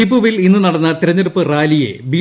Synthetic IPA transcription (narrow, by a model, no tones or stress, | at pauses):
ibuʋilinːɨnɐɽɐnːɐt̪iɾɐɲːɐɾupːɨraːlijḛbi